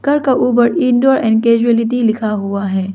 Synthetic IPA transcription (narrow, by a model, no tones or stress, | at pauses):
kɐɾkaʔuːb̬əɾɪ̃nɖoːɾɛ̃ːnkeːd͡ʒuelɪʈ̬ilɪkʰaɦuaɦɛː